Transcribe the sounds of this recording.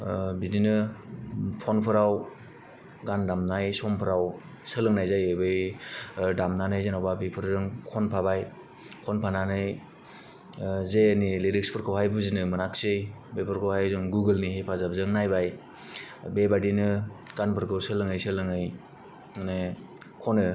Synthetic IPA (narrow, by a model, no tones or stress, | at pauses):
bidinɯ | pʰɔnpʰɯɾaw | ɡandamnajsɔmpʰɯɾaw | sɯlɯŋnajzajebɯj | damnanɯjzenawbabipʰɯɾzɯŋkʰɔnpʰabaj | kʰɔnpʰananɯj | zejanileɾikspʰɯɾkʰɯwajbuzinɯmɯnaksɯjbepʰɯɾkʰɯwhajzɔŋɡuɡɯlnihepʰazab̚zɯŋnajbaj | bebadinɯɡanpʰɯɾkʰɯsɯlɯŋɯjsɯlɯŋɯj | ane | kʰɔnɯ